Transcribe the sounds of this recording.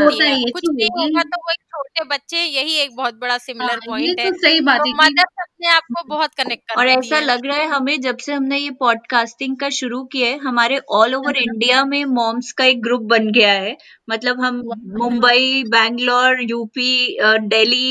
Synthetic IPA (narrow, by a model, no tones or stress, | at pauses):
oːt̪aĩkʊt͡ʃiĩat̪ooit͡ʃʰoːʈebɐtːʃẽjɐɦieːk̚bɔɦʊt̪̚bɐɽasɪmɪləɾɔ̃ːɪ̃eosɐɦibaːt̪ɛmaəsɐb̚neaːp̚kobɔɦʊt̪kɐnɛk̚ʈ̚kəɾɔːɾɛːsalɐɡɾaaɦɛɦɐmẽd͡ʒɐbseɦɐmnejepɔːɖ̚kaːsʈɪ̃ŋɡkaʃʊɾukieɦɐmaːɾeʔɔːloːʋəɾɪ̃ɳɖijamẽmɔ̃ːmskaeːk̚ɡɾup̚bɐnɡɐjaɦɛː | mɐt̪ləbɦɐmmʊ̃mbəibɛ̃ːŋɡlɔːɾjuːpiɖeːli